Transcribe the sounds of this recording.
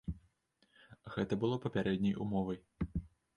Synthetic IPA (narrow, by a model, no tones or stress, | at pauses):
ɣɛt̪ɐbɨlˠɔpɐpʲaɾɛd̪ʲnʲɐjṵmɔvɐj